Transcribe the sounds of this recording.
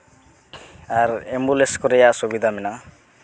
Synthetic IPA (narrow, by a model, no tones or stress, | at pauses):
aɾembuleskɔɾejasubid̪ʱamina